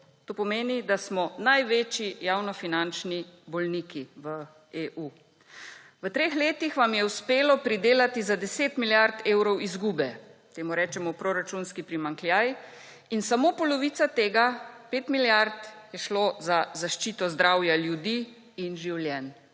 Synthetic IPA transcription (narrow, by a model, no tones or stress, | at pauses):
t̪oːpɔmeːnid̪asmɔnajʋeːt͡ʃjijaːwnɔfinant͡ʃnibɔlnikiʋə | eːʔuː | ʋət̪ɾeːxleːt̪ixʋamjɛuspeːlɔpɾid̪eːlat̪izad̪ɛseːt̪miljaɾt̪eːwɾɔwizɡuːbɛt̪eːmuɾɛːt͡ʃɛmɔpɾoɾat͡ʃunskipɾimaŋkljaj | insamopɔlɔʋiːt̪sat̪eːɡapeːt̪miljaɾt̪jɛʃlozazaʃt͡ʃiːt̪ɔzd̪ɾawjaljud̪iː | nʒiwljɛn